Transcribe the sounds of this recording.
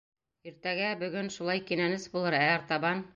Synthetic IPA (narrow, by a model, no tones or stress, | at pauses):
iɾt̪æɡæbɵ̆ɡɵnʃulˠɑjkinænɘsbulˠɤɾæɑɾt̪ɑβɑn